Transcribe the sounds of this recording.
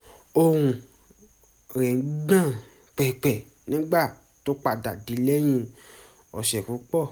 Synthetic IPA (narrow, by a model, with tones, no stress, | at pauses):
o˧ɾ̃ũ˨˧ | ɾɛ̃˨˦ɡ͡bã˦˨ | k͡pɛ˨k͡pɛ˨ | nĩ˨˦ɡ͡ba˦˨ | to˨˦k͡pa˨da˨di˨˦lɛ˦j̃ĩ˧ | ɔ˧˨ʃɛ˨ku˨˦k͡pɔ˦˨